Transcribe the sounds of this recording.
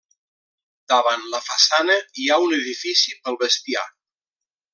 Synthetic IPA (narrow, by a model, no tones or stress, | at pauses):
d̪̥aβanləfasanəiaunəðifisipəlˠβəst̪ia̰